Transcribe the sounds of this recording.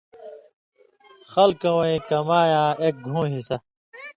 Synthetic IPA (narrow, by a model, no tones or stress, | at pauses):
xɐlkɐwɐĩkɐmaːjãːeːk̚ɡʱũːɦisɐ